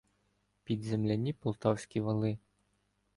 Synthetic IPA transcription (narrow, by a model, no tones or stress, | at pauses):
pʲid̪zʲɛmlʲanʲːipʊlˠt̪ɑwsʲkʲiʋalˠɪ